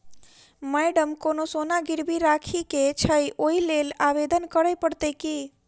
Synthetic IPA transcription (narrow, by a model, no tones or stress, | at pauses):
mɛɖəmkonosonaɡiɾbʱiɾakʰiket͡ʃʰəjʔoilelaʋed̪ənkəɾəjpəɽt̪əki